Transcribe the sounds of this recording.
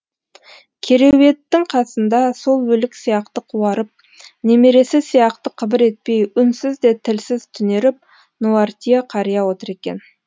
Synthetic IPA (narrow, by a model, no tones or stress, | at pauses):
kʲʰe̞ɾe̞we̞t̪ːɪŋqʰɑsənd̪ɑso̞lˠwɵlɪksijɑqt̪əqʰuwɑɾəp̚ | ne̞me̞ɾe̞sɪsijɑqt̪əqʰəbəɾe̞t̪̚pe̞jʏnsɪzd̪e̞t̪ʰɪlsɪz̥t̪ʰʏne̞ɾɪp̚ | noart̪ʲijaqʰɑɾəjɑwo̞t̪əɾe̞kʲe̞̰n